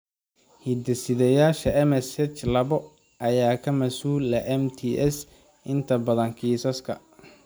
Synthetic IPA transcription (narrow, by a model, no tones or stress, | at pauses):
hid̪ɐsɪðɛjaːʃɐɛmɛsɛt͡ʃlɐβɔ | ɐjaːkʰɐmɐsuːlɛʔɛmt̪ʰiʔɛs | ʔɪnt̪ʰɐbɐðɐŋkʰiːsɐskʰɐ̰